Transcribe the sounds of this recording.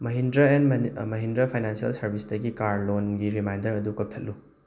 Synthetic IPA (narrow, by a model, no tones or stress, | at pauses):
mɐɦindɾɐenmɐɦindɾɐpʰajnansiɐ̰lsɐɾbʱisdɐɡikaɾlonɡiɾimajndɐɾɐdukɐp̚tʰɐt̚lːu